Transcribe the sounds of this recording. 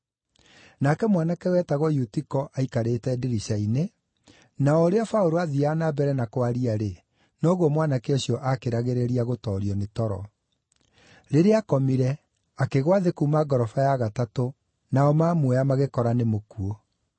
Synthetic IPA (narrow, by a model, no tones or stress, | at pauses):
nakɛmwanakɛwɛtaɣɔjutikɔʔaikaɾetɛdiɾiɕaine | naɔɾeafaoɾoaðianabɛɾɛnakwaɾiaɾe | nɔɣwɔmwanakeɛɕiɔʔakeɾaɣeɾeɾiaɣotɔːɾiɔnetɔɾɔ̰ | ɾeɾeakɔmiɾɛ | akeɣwaðekumaɡɔɾɔfajaɣatato | naɔmaːmwɛjamaɣekɔɾanemokuo